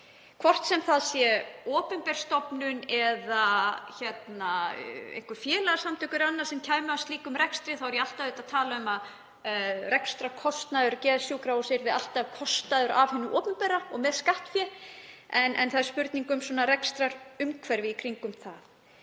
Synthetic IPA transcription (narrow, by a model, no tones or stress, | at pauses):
kʰvɔr̥t̪sɛmθaðsjɛɔːpʏmpɛɾ̥st̪ɔpnʏnɛðaçɛt̪naḛjŋ̥kvʏɾfjɛːlaɣasamt̪ʰʏkʏɾanːaɾ̥sɛmcʰaːjmʏawst̪iːkʏmɾɛkst̪ɾɪθawɛɾjɛal̥t̪avɪt̪aðt̪ʰaːlaʏmað | rɛkst̪ɾakʰɔst̪naðʏɾcɛːðasjuːkɾawɔseɾvɪða̰l̥t̪avkʰɔst̪aðʏɾʔavhɛnːʏʔɔːpʏmpɛːɾːaɔɣmɛðskaht̪fjɛ | ɛnɛ̰nθaðɪɾspʏɾt̪niŋkʏmsɔnarɛkst̪ɾaɾʏmkʰvɛɾvɪðikʰɾiŋkʏmθaθ